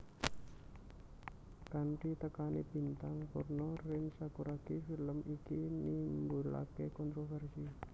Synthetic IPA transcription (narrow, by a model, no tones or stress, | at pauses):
kaɳʈit̪əkanibi̤nt̪aŋkʊrnɔrɪnsakuɾakifiləmikinimbula̰kekɔnt̪ɾofɛrsi